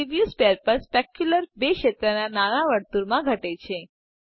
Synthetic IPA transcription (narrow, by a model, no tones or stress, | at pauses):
iʋjuspeəɾpəɾspɛkjuləɾbeʃet̪ɾənanañaʋəɽt̪uɾmãɡʱəʈet͡ɕʰẽ